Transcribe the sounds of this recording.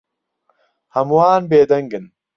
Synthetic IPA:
hɐmwaːnbeːd̪ɐŋɡɨn

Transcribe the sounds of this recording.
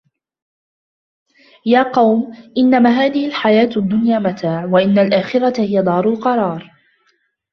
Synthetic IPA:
jaːqɑwmʔɪnːamaːɦaːðɪhɪlħajaːt̪ad̪ːʊnjaːmat̪ʰaːʕwaʔɪnːalʔaːxɪɾat̪ahɪjad̪ˤɑːɾˤʊlqɑɾˤɑːɾˤ

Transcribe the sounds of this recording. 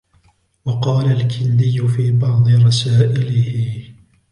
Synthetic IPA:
wɑqɑːlalkʰɪnd̪ɪjːʊfiːbɑʕd̪ˤɨɾˤɑsaːʔɪlɪhɪ

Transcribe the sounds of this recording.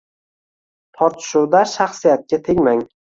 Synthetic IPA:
t̪ʰɒɾt̪ʰʃowd̪aʃaχsijat̪̚kʲat̪ʰeŋmaŋ

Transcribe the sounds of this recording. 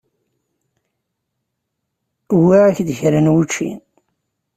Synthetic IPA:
wiʕaçðəçɾənwut͡ʃːḭn

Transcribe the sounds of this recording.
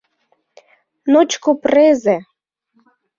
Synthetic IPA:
not͡ɕkopreze

